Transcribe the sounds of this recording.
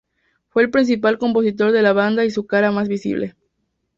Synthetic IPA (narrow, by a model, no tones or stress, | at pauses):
fwe̞ːlpɾins̬ipalko̞mpo̞sit̪o̞ɾðe̞laβand̪aisukaɾamazβisḭβlḛ